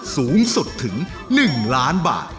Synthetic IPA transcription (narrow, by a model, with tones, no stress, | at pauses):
suː˩˦˥ŋsu˨˩t̪ʰːɯ˩˦ŋ | nɯ˨˩ŋlaː˦˥nba̰ː˨˩t̪̚